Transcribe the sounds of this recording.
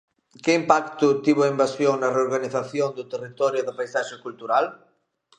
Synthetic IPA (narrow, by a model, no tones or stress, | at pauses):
keimpakt̪ʊt̪iβoimbasjoŋnareoɾɣaniθaθjond̪ʊt̪erit̪ɔɾjʊðapajsaʃekult̪uɾal